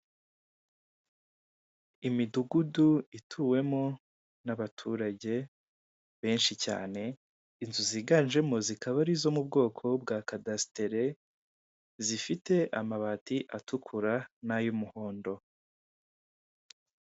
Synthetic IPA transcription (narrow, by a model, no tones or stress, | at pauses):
imiduɡuduitʰuːwe̞mo̞ | naβatʰuɾaɟe̞ | βe̞ːnʃica̰ːne̞ | inzuziːɡanʒe̞mo̞zikaβaɾizo̞mubɡo̞ːkʰo̞b̚ɡaːkadasteɾe̞ | zifite̞ʔamaβatiʔatʰukʰuɾanajumuho̞ːndo̞